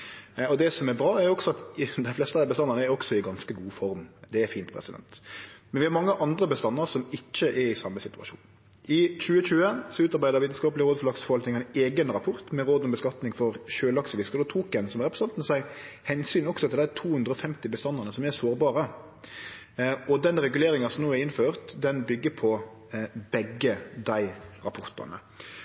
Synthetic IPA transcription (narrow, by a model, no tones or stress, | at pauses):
ɔd̪ɛsɔmɛɾbɾɑːɛɾjʊɔksɔɑt̪d̪æɪflɛst̪əɑd̪æɪbəst̪ɑnːəʁnəɛɾɔksɔɪɡɑnskəɡuːfɔɾmd̪ɛːɾfiːnt̪pʰɾɛ̰sɪd̪ɛ̰nt̪mɛnʋɪɑɾmɑŋːəʔɑnd̪ɾəbəst̪ɑnːəɾsɔmɪt͡ʃːəʔɛɾɪsɑmːəsɪt̪ʉɑ̰ʃṵːn | ɪt͡ʃʉːət͡ʃʉːəsɔʉːt̪ɑɾbæɪəɾʋiːt̪n̩skɑːpəlɪɾoːd̪fɔlɑksfɔʋɑlk̪nɪŋæɪneːɡənɾɑpʰɔɾt̪mɛɾoːd̪ɔmbəskɑt̪nɪŋfɔɾʃøːlɑksəʋɪskəʁd̪ɔt̪ʰuːkɛnsɔmɾɛpɾəsɑnt̪n̩sæɪ | hɛnsyːnɔksɔt̪ʰɪld̪æɪt̪ʰuːhʉnd̪ɾəɔfɛmt̪ɪbəst̪ɑnːəʁnəsɔmɛsoːɾbɑːɾə | ɔd̪ɛnɾɛɡʉleːɾɪŋɑsɔmnoːɛɾɪnføːɾt̪d̪ɛnbʏɡːəpʰɔ | bɛɡːəd̪æɪɾɑpʰɔɾt̪ɑ̰nə̰